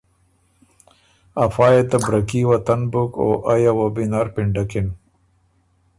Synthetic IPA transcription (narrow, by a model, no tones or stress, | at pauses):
afɑːjet̪abɾɐkiwat̪ɐnbʊko̰ʔajawabinaːɾpɪɳɖakɪn